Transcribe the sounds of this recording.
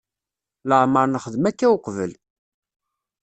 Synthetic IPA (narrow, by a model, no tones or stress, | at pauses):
ləʕməɾnəχəðmækːæwqvə̰l